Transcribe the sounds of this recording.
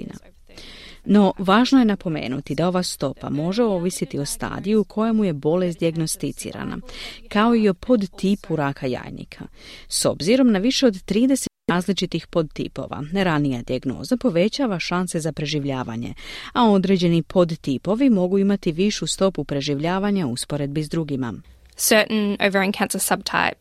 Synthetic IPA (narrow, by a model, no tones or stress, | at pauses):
ina̰ | no̞ʋaːʒnoje̞napo̞me̞̰ːnut̪id̪ao̞ʋast̪o̞pa̰mo̞ʒe̞o̞ʋisit̪io̞st̪a̰ːd̪ijuukʰo̞jemuje̞bo̞lesd̪iaɡno̞st̪it̪sḭːɾa̰na̰kao̞io̞pʰo̞d̪t̪ipʰuɾaːkʰaja̰ːjnḭkʰa̰ | so̞̰bziɾo̞mnaʋiʃe̞o̞d̪t̪ɾiːd̪e̞seaːzlit͡ʃit̪ixpo̞d̪t̪ḭpo̞̰ʋa̰ɾanijad̪iaɡno̞̰ːzapo̞ʋe̞t͡ɕaːʋaʃanse̞zapɾe̞ʒiʋʎaːʋa̰ɲe̞̰ao̞d̪ɾe̞d͡ʑe̞nipʰo̞d̪t̪ipo̞ʋimo̞ɡuimat̪iʋiʃust̪o̞pupɾe̞ʒiʋʎaːʋaɲauspo̞ɾe̞d̪̚bizd̪ɾuɡima̰ | sɜˑ˞ʔn̩o̰ʊvə˞ɛ̃nkʰãnsəsʌb̚tʰa̰ɪp̚